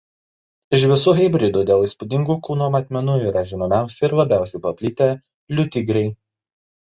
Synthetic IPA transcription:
ɪʃʋʲɪsuːɦʲɣʲɛɪbʲɾʲɪd̪uːd̪ʲeːlˠiːˑspud̪ʲɪŋɡuːkuːnoːmɐt̪ʲmʲɛnuːiːɾɐʒʲɪnoːmʲæˑʊsʲɛɪɾlˠɐbʲæˑʊsʲɛɪpɐpʲlʲɪt̪ʲeː | lʲʊt̪ʲɪɡɾʲɛɪ

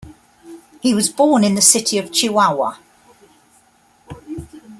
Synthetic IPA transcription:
hiwɒzbɔːnɪ̃nðəsɪtʰiəv̥t͡ʃʰʉawə̰

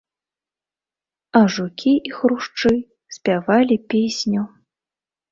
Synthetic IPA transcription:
ɐʐukʲʰiixɾuʂt͡ʂɨ | sʲpʲavalʲipʲesʲnʲu

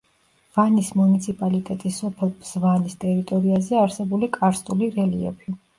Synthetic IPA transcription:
vanismunit̪sʰipʼalit̪ʼɛt̪ʼisɔpʰɛlˠbz̥vanist̪ʼɛɾit̪ʼɔɾiazɛaɾsɛbulikʼaɾst̪ʼuliɾɛliɔ̰pʰi

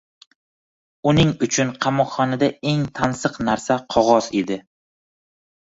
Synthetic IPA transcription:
ʊnɪŋʊt͡ʃʰʊnqʰɑmɒqχɒnad̪ae̞ŋt̪ʰansɨqnaɾsaqʰɒʁɒz̥ed̪ɪ

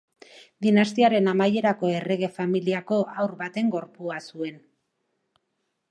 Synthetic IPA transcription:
d̪inast̪iaɾe̞namaje̞ɾako̞e̞re̞ɣ̞e̞familiako̞awɾβat̪e̞ŋɡo̞ɾpuasue̞n

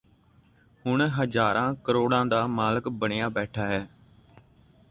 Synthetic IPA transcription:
hʊɳɦəd͡ʒaːɾãːkəɾoːɽãːd̪aːmaːləkbəɳejaːbɛːʈʰaːɦɛː

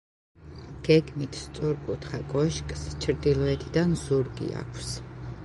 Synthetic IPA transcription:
ɡ̥ɛɡmit̪ʰst̪sʼuɾkʼut̪ʰχakʼɔʃkʼst͡ʃʰɾd̪ilˠɔɛt̪ʰid̪anzuɾɡḭa̰kʷʰs

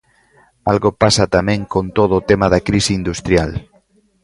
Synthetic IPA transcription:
alɣopasat̪amẽŋkõnt̪oð̞oːt̪emaðakɾisiind̪ust̪ɾjal

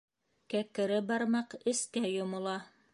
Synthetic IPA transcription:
kækɘ̆ɾɘbɑɾmɑqɘ̆sk̪æjomŏlˠɑ

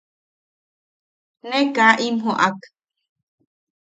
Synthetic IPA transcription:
nẽkaʔimɦoʔak

